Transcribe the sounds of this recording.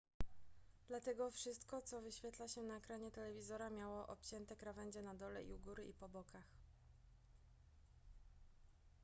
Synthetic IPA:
d̪̥lat̪ɛɡɔfʂɘst̪kɔt̪sɔvɘɕfʲjɛt̪laɕɛnaɛkɾaɲɛt̪ɛlɛvʲizɔɾamʲjawɔʔɔ̰p̚t͡ɕɛnt̪ɛkɾavɛɲd͡ʑɛnad̪ɔlɛʔḭuɡuɾɘʔipɔbɔkax

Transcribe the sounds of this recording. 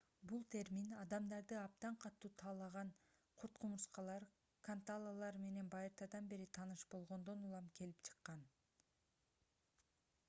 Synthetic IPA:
bulˠt̪ʰe̞ɾminɑd̪ɑmd̪ɑɾd̪ɯɑb̚d̪ɑɴqʰɑt̪ːuːt̪ʰɑːlˠɑʁɑn | qʰuɾt̪qumusqɑlˠɑɾ | kant̪alˠalˠɑɾme̞ne̞nbɑjɯɾt̪ɑd̪ɑnbe̞ɾit̪ʰɑːnɯʃbo̞lˠʁo̞nd̪o̞nulˠɑmkʰe̞lipt͡ʃʰɯ̥qːɑn

